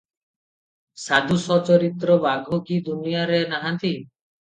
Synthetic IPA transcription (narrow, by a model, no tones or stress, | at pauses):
sad̪ʱusɔt͡ʃɔɾit̪ɾɔbaɡʱɔkid̪unijaɾenaɦãnt̪i